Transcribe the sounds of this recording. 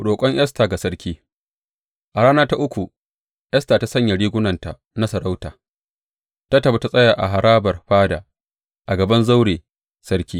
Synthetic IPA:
ɽoː˨kʷʼɔ˦ɲʔj̰ɐ˦staː˨ɡa˨sɐ˦ɽkʲiː˦ | ʔa˨ɽaː˦naː˦ta˦ʔʊ˦kʷu˨ | ʔjɐ˦staː˨ta˦sɐ˦ɲja˨ɽiː˦ɡʷʊ˦nɐ˨nta˨ | na˦sɐ˨ɽa˦wtaː˨ | ta˦tɐ˨ba˦ta˦˨sʼɐ˦jaː˨ʔa˨ɦa˨ɽaː˦bɐ˨rɸaː˦da̰ː˨ | ʔa˨ɡɐ˨bɐ˦nza˦wɽeː˨ | sɐ˦ɽkʲiː˦

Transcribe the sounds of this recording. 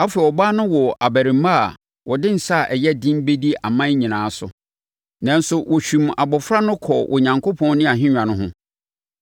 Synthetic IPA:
a˦fe˨ɔ˨baː˦nʊ̃˦wɔ˨a˨bæ˨ɾĩ˨˦mːa˦a˨ | wɔ˨dɪ̃˦n̩˨sa˦˨ʔɛ˨jɛ˦dĩ˦m˦be˦di˦a˨mã˦ɲĩ˨nãː˨˦sʊ̰˨ | nã˨n˦sʊ˦wʔɔ˨ɕᶣũ˨ma˨bɔ˨fɾa˦nʊ̃˦kʰɔ˨ʔɔ̰˨ɲã˨ŋkʰo˦pʰɔ̃˦n˦nɪ̃˦a˨ɦɪ̃˦ɲᶣã˨nʊ̃˦ɦʊ̃˦

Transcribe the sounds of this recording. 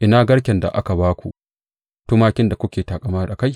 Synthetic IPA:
ʔɪ˦naː˦ɡɐ˦ɽkʲɛ˨nda̰˨ʔa˦ka˨baː˦kʷṵ˨ʔ | tʊ˦maː˦kʲɪ˦nda˨kʷʊ˦kʲeː˨taː˨kʼɐ˨maː˦˨ʔa˨ka˦j

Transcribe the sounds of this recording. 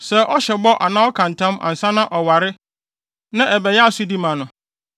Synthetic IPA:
sɛ˦ʔɔ˦ɕɛ˨bɔ˦ʔa̰˨nã˦ɔ˦kʰã˨n˨tʰã˦ma̰˨n̩˨sã˦nã˦ʔɔ˨wa˨ɾɪ˦ | nã˦ʔɛ˨bɛ˨jɛ˦a˦˨su˦di˦mã˨nʊ̃˨

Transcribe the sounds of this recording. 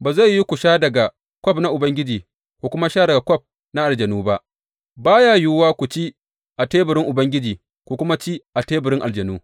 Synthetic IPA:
baː˨za˦˨jːi˦kʷʊ˨ʃaː˦dɐ˨ɡa˨ | kʷɔ˦pna˦ʔʊ˨bɐ˦ŋɡʲɪ˦d͡ʒiː˨ | kʷu˨kʷʊ˦ma˦ʃaː˦dɐ˨ɡa˨kʷɔ˦p̚ | na˦ʔa˨ld͡ʒɐ˨nuː˦ba˦ʔ | baː˦jaː˦juː˦waː˦kʷu˨t͡ʃi˦ | ʔa˨teː˦bʊ˨ɾɪ˦ŋʔʊ˨bɐ˦ŋɡʲɪ˦d͡ʒiː˨ | kʷu˨kʷʊ˦ma˦t͡ʃi˦ʔa˨teː˦bʊ˨ɾɪ˦ŋʔa˨ld͡ʒɐ˨nuː˦

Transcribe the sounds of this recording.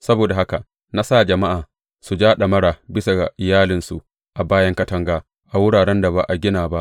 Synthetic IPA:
sɐ˦boː˨da˨ɦa˦ka˨ | na˦saː˦˨d͡ʒɐ˨ma˦ʔaː˨ | su˨d͡ʒaː˦ɗa˨mɐ˦ɽaː˨bɪ˦sa˨ɡa̰˨ʔɪ˨jaː˦lɪ˨nsṵ˨ | ʔa˨baː˦jɐ˦ŋkɐ˦tɐ˦ŋɡaː˦ | ʔa˨wʊ˦ɽaː˨ɽɛ˦nda˨ba˨ʔa˨ɡʲɪ˦naː˨ba˦ʔ

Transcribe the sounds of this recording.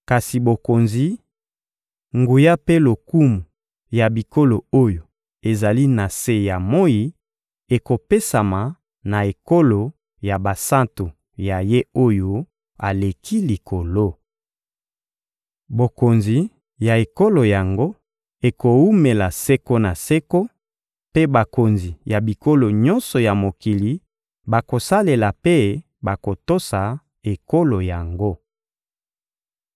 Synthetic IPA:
ka˨si˨bo˨ko˨nzi˨˦ | ŋɡu˨ja˦pe˦lo˨ku˦mu˨ | ja˨bi˨ko˦lo˨o˦jo˨ | e˨za˨li˦na˨se˦ja˨mo˦ji˨ | e˨ko˨pe˦sa˨ma˨ | na˨e˨ko˦lo˨ | ja˨ba˨sã˦nto˨ | ja˨je˦o˦jo˦ | a˨le˨kʰi˦li˨kʰo˨lo˦ | bo˨ko˨nzi˨ | ja˨e˨ko˦lo˨ja˨ŋɡo˦ | e˨ko˨u˦me˨la˨se˦ko˦na˨se˦ko˦ | pe˦ba˨ko˨nzi˨ja˨bi˨ko˦lo˨ɲɔ˦nsɔ˨ja˨mo˨ki˨li˨ | ba˨ko˨sa˦le˨la˨pe˦ | ba˨ko˨to˦sa˨ | e˨ko˦lo˨ja˨ŋɡo˦

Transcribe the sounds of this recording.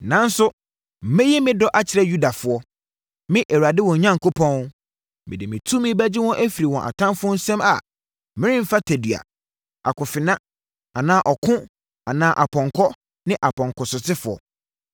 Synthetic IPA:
nã˨n̩˦sʊ˦ | m̩˨mɛ̃˦jɛ˦mɪ̃˦dɔ˦ʔa˦t͡ɕʰɪ˨ɾɛ˦ju˦da˨fʊ˨˦ɔ˦ | mɪ̃˦ʔɛ˨wu˨a˨dɪ˦wɔ̃˨ɲã˦ŋ̩˨kʰo˦pʰɔ̃˦n˦ | mɪ̃˨dɪ˨mɪ̃˨tʰũ˦mɪ̃˦bæ˦d͡ʑɪ˦wɔ̃˦ʔæ˦fi˨ɾi˨wɔ̃˨ʔa̰˨tʰã˦m˦fʊ˦ɔ˦n̩˦sɛ̃˦ma˨ | mɪ̃˦ɾɪ̃˦m̩˦fa˦tʰæ˨di˨a̰˨ | a̰˨kʰʊ˨fɪ˨nã˦ | a˨nãː˨˦ʔɔ˨kʰʊ̃˦ | a˨nãː˨˦ʔa˨pʰɔ̃˨ŋkʰɔ˦ | nɪ̃˦ʔa˨pʰɔ̃˨ŋkɔ˨sʊ˨sɪ˦fʊ˨ɔ̰˨

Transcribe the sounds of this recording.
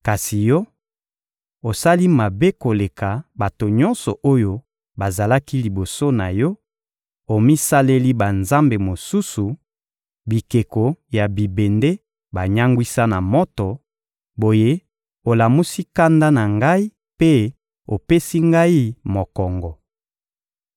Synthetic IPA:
ka˨si˨jɔ˦ | o˨sa˦li˦ma˨be˦ko˨le˨ka˨ba˨to˨ɲɔ˦nsɔ˨ʔo˦jo˦ | ba˨za˨la˦ki˦li˨bo˨so˦na˨jɔ˦ | o˨mi˦sa˦le˦li˦ba˨nza˦mbe˨mo˨su˦su˨ | bi˨ke˨ko˨ja˨bi˨be˨nde˦ | ba˨ɲa˦ŋɡwi˦sa˦na˨mɔ˦tɔ˨ | bo˨je˦ | o˨la˨mu˦si˦ka˦nda˦na˨ŋɡa˦i˦ | pe˦ | o˨pe˦si˦ŋɡa˦i˦mo˨kɔ˨ŋɡɔ˨

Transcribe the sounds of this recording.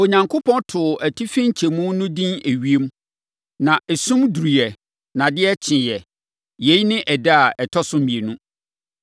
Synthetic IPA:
o˨ɲã˨ŋkʰo˦pʰɔ̃˦ntʰʊ˨ʔæ˨tʰi˦fɪ̃˦ɲ̩˦t͡ɕʰe˨mũ˦nʊ̃˦dĩ˦ne˨ɥi˦e˦m˦ | nã˨ʔɛ˨sũ˦mdu˨ɾi˨ɛ˨ | nã˨dɪ˦ɛ˦t͡ɕʰɪ̃˨jɛ˨ | je˦i˦nɪ̃˦ʔɛ˨da˦a˨ʔɛ˨tʰɔ˦sʊ̃˦mmĩ˨e˨nũ˦

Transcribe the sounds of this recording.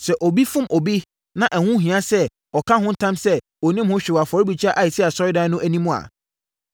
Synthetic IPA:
sɛ˨ʔɔ˨bi˦fʊ̃˦mʔɔ˨bi˦ | nã˨ʔæ˨hʊ̃˦ɦĩ˨ã˦sɛ˦ | ɔ˨kʰã˦ɦʊ̃˦n̩˦tʰã˦msɛ˦ | ɔ˨nĩ˦mhʊ̃˦ɕᶣɪ˨wa˨fɔ˨˦ɾi˦bi˨t͡ɕʰa˦ʔa˨ji˨si˦a˨sɔ˦ɪ˦dã˦nʊ̃˦ʔæ˨nĩ˦mũ˦˨a̰˨

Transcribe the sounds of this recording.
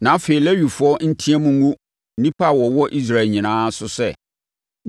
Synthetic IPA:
nã˨˦feː˨i˨lɛ˦ɥu˨fʊ˨˦ɔ˦n̩˦tʰĩ˦ɛ˦mʊ̃˦ɡũ˦ | n̩˦nĩ˦pʰa˦˨wɔ˨wɔ˦ʔi˦s̬ɾa˦e˨lɲĩ˨nãː˦sʊ˦sɛ̰˦˨

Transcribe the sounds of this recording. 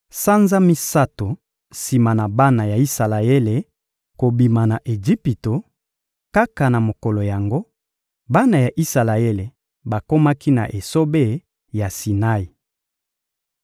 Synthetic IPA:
sa˦nza˦mi˦sa˦to˨ | si˨ma˨na˨ba˦na˨ja˨i˦sa˨la˨e˦le˨ | ko˨bi˨ma˨na˨ʔe˨d͡ʒi˦pi˨to˨ | ka˦ka˨na˨mo˨kɔ˨lo˨ja˨ŋɡo˦ | ba˦na˨ja˨ʔi˦sa˨la˨e˦le˨ | ba˨ko˦ma˦ki˦na̰˨ʔe˨so˦be˦˨ | ja˨si˨na˦i˨

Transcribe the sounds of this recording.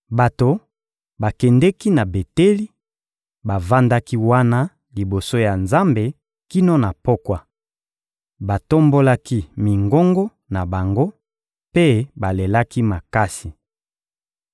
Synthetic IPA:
ba˨to˨ | ba˨kɛ˨ndɛ˦ki˦na˨be˨te˦li˦ | ba˨va˦nda˦ki˦wa˦na˦ | li˨bo˨so˦ja˨nza˦mbe˨ | ki˦no˦na˨po˦kwa˨ | ba˨to˦mbo˦la˦ki˦mi˨ŋɡo˦ŋɡo˦ | na˨ba˨ŋɡo˦ | pe˦ba˨le˨la˦ki˦ma˨ka˦si˨

